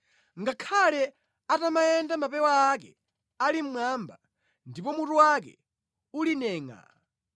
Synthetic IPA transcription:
ŋɡakʰalɛ | atamajɛndamapɛwaːk̬ɛ | alim̩mwamba | ndipɔmutuwakɛ̰ | ulinɛːŋa̰

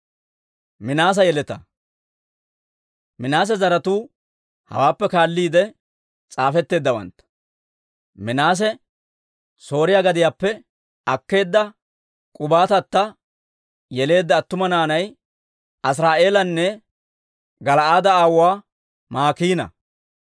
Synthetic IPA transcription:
mɪnaːs̬ɐjɛlɛt̪ɐ | mɪnaːs̬ɛzɐɾɐt̪uː | hɐ̰waːpːɛkaːlːiːd̪ɛ | t͡sʼaːfɛt̪ːe̞ːd̪ːɐwɐ̰nt̪ɐ̥ | mɪnaːs̬ɛ | so̞ːɾɪjaːɡɐd̪ɪjaːpːɛ | ɐkːe̞ːd̪ːɐ | kʼʊbaːt̪ɐt̪ːɐ | jɛle̞ːd̪ːɐːt̪ːʊmɐnaːnɐj | ʔɐs̬ɾaːʔe̞ːlɐnːɛ | ɡɐlɐaːd̪ɐaːwaː | maːkiːnɐ̰

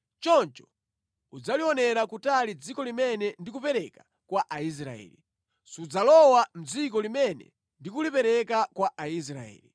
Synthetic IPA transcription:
t͡ʃɔnt͡ʃɔ̥ | ud͡zaliɔnɛɾakutalid͡zikɔlimɛnɛndikupɛɾɛkḁ | kwaʔais̬ɾa̰ɛ̰ːli | sud͡zalɔwam̩d͡zik̬ɔlimɛnɛ̰ | ndikulipɛɾɛkakwaʔais̬ɾa̰ɛ̰ːli

